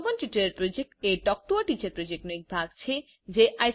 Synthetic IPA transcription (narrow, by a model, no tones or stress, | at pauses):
bonʈiʈaɾeɾpɾod͡ʑek̚ʈeʈɔk̚ʈoaʈit͡ɕaɾpɾod͡ʑek̚ʈnoik̚bʱaɡ̚t͡ɕʰe | d͡ʑeʔaj